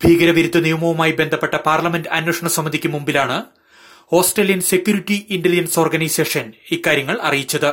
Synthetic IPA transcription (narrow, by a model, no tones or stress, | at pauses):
bʱiːɡɐɾɐʋiɾut̪ːɐnijumɐʋɐmaːjibe̞nd̪ʱɐpːe̞ʈːɐpaːrlɐmendɖɨɐnwoʂɐɳɐsɐmːɐd̪ʱikʲːɨmumbilaːɳɨ | ho̞ːsʈreːlijɐnse̞kʲːjuːɾiʈːiinɖɐlid͡ʑɐnso̞ːrɡɐnɐjse̞ːʂɐnikːaːɾjɐŋːɐɭɐ̰rijit͡ɕːɐðɨ